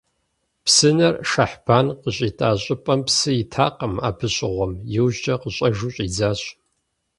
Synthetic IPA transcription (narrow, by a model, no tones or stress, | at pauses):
psɨnɐrʃaħb̥aːnqəɕʼiːtʼaːɕʼɪpʼɐmpsɨjɪtʰaːqɐma̰ːbʰɨɕʼɪʁʷɔmjɪwʒt͡ʃʼɐqəɕʼɐʒuɕʼiːd͡zaːɕ